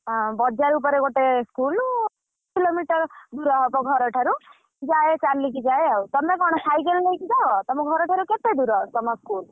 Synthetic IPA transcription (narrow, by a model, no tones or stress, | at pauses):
bɔd͡ʒaɾup̬ɔɾeɡoʈeskul | kilomiʈʌɾd̪uɾɔɦɔpɔɡʱɔɾɔʈʰaɾu | d͡ʒaet͡ʃaɾlikid͡ʒaeawt̪ɔmeɡʱɔɽ̃ɔsajɡellejkid̪aɦɔt̪ɔmɔɡʱɔɾɔʈʰaɾuket̪ed̪uɾɔt̪ɔmɔskul